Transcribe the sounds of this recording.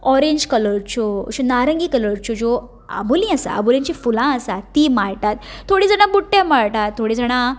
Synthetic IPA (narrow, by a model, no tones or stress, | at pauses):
ɔɾeɲd͡ʑkələɾt͡ɕoɕunaɾəŋɡiːkələɾt͡ɕod͡zo | ə̰bulĩasa̰ə̰bulĩɲt͡ɕifulãəsat̪ːiːmaɭʈat̪ːʰoɽiːd͡zəɽ̃abuʈːemaɭʈat̪ʰːoɽĩd͡zəɽ̃a